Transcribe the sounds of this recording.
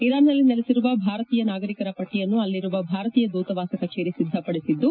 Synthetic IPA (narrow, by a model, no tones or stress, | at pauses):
iɾaːnːɐlːinelisiɾuʋɐbʱaːɾɐt̪iːjɐnaːɡɐɾikɐɾɐpɐʈːijɐnːuɐlːiɾuʋɐbʱaːɾɐt̪iːjɐd̪uːt̪ɐʋaːsɐkɐt͡ʃeːɾisid̪ʱːɐpɐɽisid̪ːu